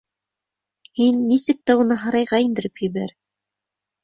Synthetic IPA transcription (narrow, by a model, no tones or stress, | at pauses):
hinːisɘk̚t̪æunɤɦɑɾɑjʁɑind̪ɘ̆ɾɘphɵ̆jβæɾ